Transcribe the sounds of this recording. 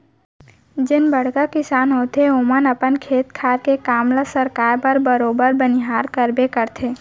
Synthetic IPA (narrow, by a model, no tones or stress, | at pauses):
d͡ʒɪnbəɽ̤kakɪsaːnɦot̪ʰeomənəpənkʰeːt̪kʰaːɾkekaːmlasəɾkaːɾpəɾbəɾoːbəɾbənɪɦaːɾkəɾbekəɾt̪ʰeː